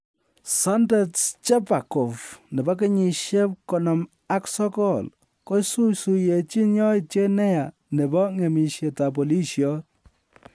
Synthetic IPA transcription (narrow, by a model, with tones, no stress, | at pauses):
sɔ˦ndɛ˦tt͡ʃɛ˦pa˨kɔ˨fnɛ˨ba˦k̬e˦ɲi˨ʃje˦p̚kɔ˨nɔ˨m | a˦ksɔ˦kɔ˦l | ko˦jsu˦su˨je˨t͡ʃi˦ɲɔ˦it͡ʃe˦nɛ˦ja˨ | ne˨bɔ˦ŋe˨mi˨ʃje˨ta˨p̬ɔ˨li˦ʃjɔ˦